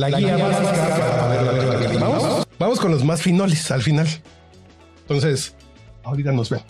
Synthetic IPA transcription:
laɣliamasaskakaaβeɾaaebamoosbamo̞sko̞nlozmasfinolesalfinal | ent̪o̞nse̞s | aoɾit̪anozben

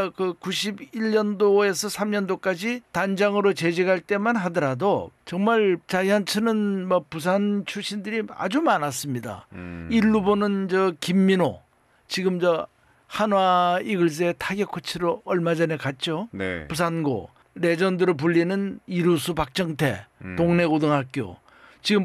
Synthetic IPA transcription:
kɯkuɕʰibiʎːʌndoe̞sʰʌsʰamɲʌndok͈ad͡ʑitand͡ʑaŋɯɾot͡ɕe̞d͡ʑiɡaɭt͈e̞manɦadʌɾadot͡ɕʌŋmaɭt͡ɕajant͡ɕʰɯnɯnmapus̬ʰant͡ɕʰuɕʰindɯɾia̰d͡ʑumanas͈ɯmɲida̰iɭːubonɯnd͡ʑʌkimːino | t͡ɕiɡɯmd͡ʑʌ | hanoaiɡɯɭs̬͈eetʰaɡjʌkʰɯt͡ɕʰiɾoʌɭmad͡ʑʌnekat̚t͡ɕ͈onepusʰanɡo̰ | ɾe̞d͡ʑʌndɯɾɯɭp̬uʎːinɯniɾusʰupak̚t͡ɕ͈ʌŋtʰe̞̰toŋne̞ɡodɯŋɦak͈jo̰ | t͡ɕiɡɯm

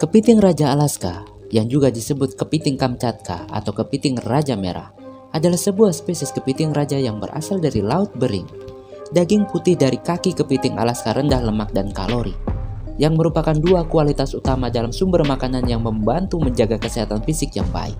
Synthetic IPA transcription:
kəpit̪ɪŋrad͡ʒaːlaska̰ | jaŋd͡ʒuɡadisəbʊt̪̚kəpit̪ɪŋkamt͡ʃat̪̚kʰa̰a̰t̪awkəpit̪ɪŋrad͡ʒamḛɾa̰h | ʔadalahsəbuahspesɛskəpit̪ɪŋɾad͡ʒajaŋbə̰ɾa̰saldaɾilaʊt̪̚bəɾɪ̰ŋ | daɡɪŋput̪ɪhdaɾikakikəpit̪ɪŋa̰laskaɾəndahləmak̚danka̰loɾijaŋməɾupakanduakualit̪asut̪amadalamsumbərmakananjaŋməmbant̪uməɲd͡ʒaɡakəsiɦat̪anfisɪkja̰ŋba̰ɪ̰k̚

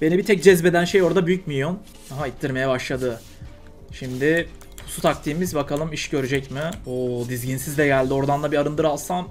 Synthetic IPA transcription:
b̥e̞nibit̪ʰɛc̚d͡ʒɛzbe̞d̪ænʃejo̞ɾd̪abyjycmijom | aɦait̪ʰːiɾme̞jɛbaʃlˠad̪ɯ | ʃimd̪ɪ | pʰu̥sut̪ʰak̚t̪ʰiːmizbakalˠɯmiʃɟø̞ɾyd͡ʒɛcmɪbud̪izɟinsizd̪ʲɛɟælʲd̪io̞ɾd̪anlˠabiaɾɯnd̪ɯɾalˠsam

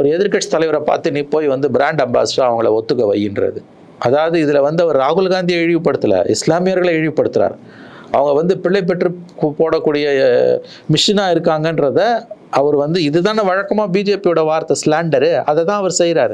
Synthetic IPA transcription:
ɐʋɐɾɯɛðɪɾkɐʈʂt̪ɐlɐɪʋɐɾɐpa̰ːɾt̪ɯniːpoːjʋɐnd̪ɯbɪɾaːɳɖɐmba̰ːsɾaːɐʋɐŋɡɐɭɐ̰ɔt̪ːɯkːɐʋɐ̰jːɪnrɐ̰ðɯ | ʔɐðaːʋɐðɯɪðɪlɐʋɐnd̪ɯɐʋɐɾɯɾaːɣɯlɡaːnd̪ijɐɛɻɪʋɯpːɐɽɯt̪ːɯlɐ̰ɪslaːmɪjɐɾɣɐɭɐɛɻɪʋɯpːɐɽɯt̪ːɪɾa̰ːɾ | ɐʋɐŋɡɐʋɐnd̪ɯpɪɭːɐɪp̬ːɛʈrɯpoːɽɐkːuːɽɪjɐ | mɪʂɪnaːɪɾɯkːaːŋɡɐndɾɐðɐʔɐʋɐɾɯʋɐnd̪ɯɪðɯt̪ãːnɐʋɐɻɐkːɐmaːbiːd͡ʒeːpijɔɽɐʋaːɾt̪ɐslaːɳɖɐɾɯɐðɛt̪ãːɐʋɐɾsɛjɾaːɾ

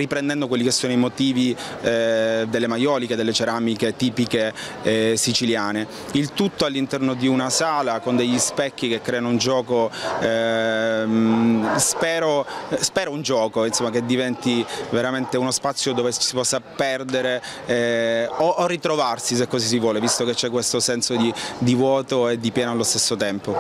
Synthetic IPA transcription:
ripɾend̪ɛnd̪okwelːikesːoːnoimot̪iːvi | d̪elːemajɔːliked̪elːet͡ʃeɾamiket̪iːpike | sit͡ʃiljaːne | ilt̪ut̪ːoalːint̪ɛrnod̪iunasaːlakond̪eʎːispɛkːikekːɾɛːanound͡ʒɔːko | spɛːɾospɛːɾound͡ʒɔːkoinsomːaked̪ːivɛnt̪iveɾament̪eunospat̪sːjod̪oːvet͡ʃsipɔsːapɛrd̪eɾe | oʔːrːit̪ɾovarsis̬ekːɔsis̬ivwɔːlevist̪oket͡ʃːɛkːwest̪osɛnsod̪id̪ivwɔːt̪oed̪ːipjɛːnoalːost̪esːot̪ɛmpo

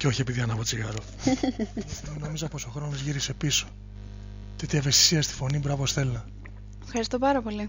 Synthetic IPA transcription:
ceo̞çiepiðiɐnɐvot͡siɣɐɾo | nomizɐpo̞soxɾo̞nizʝiɾise̞piso̞̥ | t̪et̪iɐvest̪i̥siɐst̪i̥fo̞nibɾɐvosθe̞lunɐ | efxɐɾist̪o̞pɐɾɐpo̞li

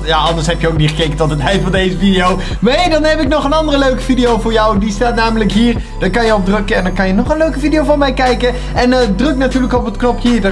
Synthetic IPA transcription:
jaːɑndəɹsɦɛpjəowk̚niχəkejkəntɔtətɦɛjfɑndejzəfidiow | ʋejdɑnɦɛpɪknɔχənɑndərəløɥkə̥vidiowvʊːɹjɑwdistaːtnaːmələkɦiːɹ | d̥ɔkɑnjəɔb̚drɵkəɛndɑnkɑnjənɔχənløɥkəvidijowvɑnmɛjkɛjkə | ʔɛnədrɵk̚natyːɹləkɔpətknɔpɦiːd

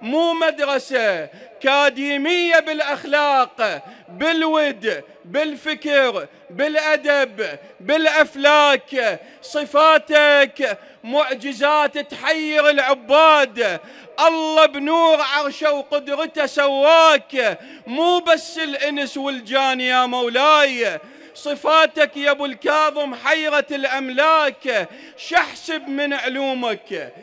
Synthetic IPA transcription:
muːmad̪ɾˤɑsakaːd̪iːmɪjːabɪlʔaxlaːqbɪlwɪd̪ | bɪlfɪkɾ | bɪlʔad̪abbɪlʔaflaːk | sˤɨfaːt̪ak | mʊʕd͡ʒɪzaːt̪t̪ħajːɪɾɪlʕʊbːaːd̪ | ʔɑlːɑbnuːɾʕɑɣʃawqʊd̪ɾɪt̪asawːaːk | muːbasːɪlʔɪnswɪld͡ʒaːnjamawlaːj | sˤɨfaːt̪akjabʊlkɑːðˤɨmħajɾat̪ɪlʔamlaːk | ʃaħsɪbmɪnʕʊluːmak

